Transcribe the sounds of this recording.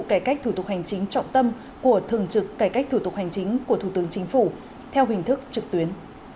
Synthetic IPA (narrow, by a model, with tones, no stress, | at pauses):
kaː˧˩jka˦˥k̚t̪ʰu˧˩t̪ʊ˨˩k̚ha˨˩jŋ̟t͡ɕï˨˦ŋ̟t͡ɕɔ̰˧˨wŋ͡mt̪ə˧m | ku˧˩ət̪ʰɨ˨˩əŋt͡ɕɨ˨˩kːaː˧˩ka˦˥k̚t̪ʰu˧˩t̪ʊ˨˩k̚ha˨˩jŋ̟t͡ɕï˨˦ŋ̟ku˧˩ət̪ʰu˧˩t̪ɨ˨˦əŋt͡ɕï˨˦ŋ̟fṵ˧˩ | t̪ʰɛ˧wɦï˨˩ŋ̟t̪ʰɨ˦˥k̚t͡ɕɨ˨˩k̚t̪wi˨˦ən